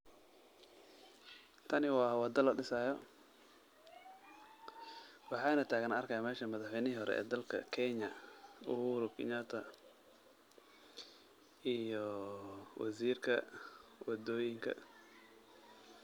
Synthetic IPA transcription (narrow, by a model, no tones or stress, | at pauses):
t̪ʰɐnɪwɑːwɑd̪ɐlɐɖɪsaːjɔ | wɑħɑːnɐt̪ʰaːɣɐnɐrkʰɐjamɛːʃɐmɐðɑħwɛjnɪɦiɦɔɾɛ̰ʔɛ̰ːd̪ɐlkʰɐ̰kʰɛɲɐʊhuːɾʊkʰɪ̰ɲaːt̪ʰɐ | ʔijɔ | wɑ̰siːrkʰɐ̰wɑd̪ɔːjɪŋkʰɐ̰